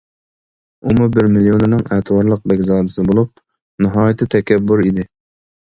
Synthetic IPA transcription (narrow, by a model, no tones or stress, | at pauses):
umubɪɾmilijonɨnɪŋɛt̪ʰwɑɾlˠəq̚bɛɡʲzɑːd̪ɨsɪbolˠup̚ | nɨɦɑːjɪt̪ʰɨt̪ʰɛkʲʰɛbːuɾid̪ɪ